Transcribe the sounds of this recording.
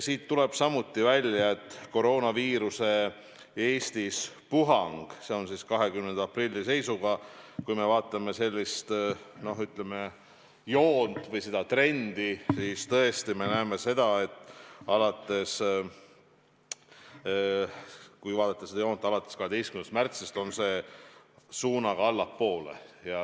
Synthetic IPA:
siːt̪ːule̞b̥sɑmut̪ːivælʲjɑe̞t̪ːˑko̞ɾo̞ːnɑviːɾuse̞ | e̞ːst̪is | puɦɑŋɡ̥se̞o̞nsiskɑɦe̞kymnend̪ɑprilʲːise̞jsuɡ̥ɑkujme̞vɑːt̪ˑːɑme̞se̞lʲːist̪no̞ɦyt̪ˑle̞me̞ | joːnt̪ˑvɤjsed̪̥ɑt̪re̞nd̪̥isiːst̪ɤe̞st̪ime̞næːme̞se̞d̪̥ɑe̞t̪ːˑɑlɑt̪ːˑe̞s | kujvɑːd̪̥ɑt̪ːˑɑsed̪ɑjo̞ːnt̪ːˑɑlɑt̪ːˑeskɑɦe̞d̪ejskymnd̪st̪mært̪sist̪o̞nse̞ː | suːnɑɡ̥ɑɑlːɑpːo̞ːle̞̰jɑ

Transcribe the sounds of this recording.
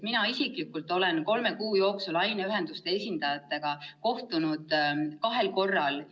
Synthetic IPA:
t̪minɑisiklikːult̪ːˑo̞le̞nko̞lme̞kuːjo̞ːksulɑjneyɦe̞nd̪̥ust̪e̞e̞sʲind̪̥ɑjɑt̪ːˑe̞ɡ̥ɑko̞ht̪unud̪̥kɑɦe̞lko̞rːɑl

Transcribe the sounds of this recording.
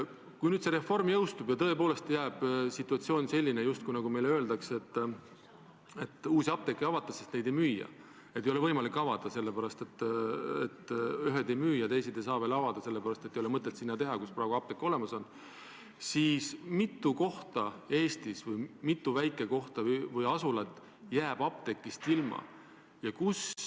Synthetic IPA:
kujnyːd̪se̞ɾe̞fo̞rmjɤwst̪ubjɑt̪ɤ̞epo̞ːle̞st̪jæːb̥sit̪ːˑuɑt̪sio̞ːnʲse̞lʲːinejust̪̚kujnɑɡume̞jløːld̪ɑkse̞t̪ː | e̞t̪ːˑuːsiɑp̚t̪e̞kːˑejɑvɑt̪ːˑɑsest̪ne̞jd̪̥e̞jmyːjɑ̰ | et̪ːejo̞le̞vɤjmɑlikːˑɑvɑd̪̥ɑse̞lːepæɾɑst̪e̞t̪ːˑḛt̪yɦed̪e̞jmyːjɑt̪e̞jsid̪ejsɑːve̞ːlɑvɑd̪̥ɑse̞lːepæɾɑst̪et̪ːejolemɤt̪ːˑet̪sinːɑt̪e̞ɦɑkusprɑːeɡ̥uɑp̚t̪ekːˑo̞le̞mɑso̞n | siːsmit̪ːˑuko̞ht̪ɑe̞ːst̪isvɯjmit̪ːˑuvæjkːˑeko̞ht̪ɑvɯjɑsulɑt̪ːˑ | jæːb̥ɑp̚t̪e̞kːˑist̪ilmɑ̰ | jɑkus

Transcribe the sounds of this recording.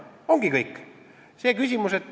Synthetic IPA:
o̞ŋɡ̥ikɤjkː | se̞ːkysʲimuset̪ː

